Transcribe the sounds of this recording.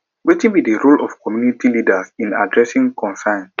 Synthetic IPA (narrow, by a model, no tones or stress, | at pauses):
wetĩnbidəɹulɔ̰fkɔmjunitʰilidasĩna̰dɹɛsĩŋkʰɔ̃nsãn